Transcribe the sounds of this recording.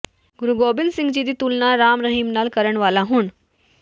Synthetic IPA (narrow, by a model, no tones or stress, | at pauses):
ɡʊɾuɡoːbɪ̃nd̪sɪ̃ŋɡd͡ʑiːd̪it̪ulnaɾaːmɾɐɦiːmnaːlkɐɾəɽ̃ʋaːlaɦun